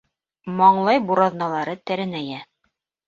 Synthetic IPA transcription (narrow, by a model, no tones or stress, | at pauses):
mɑɴlˠɑjbuɾɑðnɑlˠɑɾɤt̪æɾɘ̆næjæ